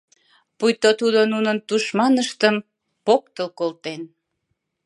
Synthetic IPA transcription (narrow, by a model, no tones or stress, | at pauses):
pujt̪ot̪ud̪onunənt̪uʃmɑnəʃt̪əm | pok̚t̪əlkolt̪en